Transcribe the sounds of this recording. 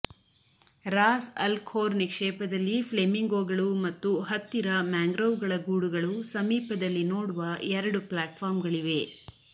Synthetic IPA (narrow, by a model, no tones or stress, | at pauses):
ɾaːsɐlkʰoːɾnikʂɛːpɐd̪ɐlːipʰlemiŋɡoːɡɐɭumɐt̪ːuɦɐt̪ːiɾɐmaːŋɡɾɐwɡɐɭɐɡuːɽuɡɐɭusɐmiːpɐd̪ɐlːinoːɽuʋɐɛɾɐɽuplaːʈfʰaːɾmɡɐɭiʋe̞